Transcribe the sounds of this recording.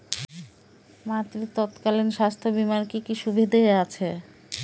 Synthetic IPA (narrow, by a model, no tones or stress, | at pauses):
mat̪ɾit̪ɔt̪kalinʃast̪ʰobimankikiʃubʱid̪aeat͡ɕʰe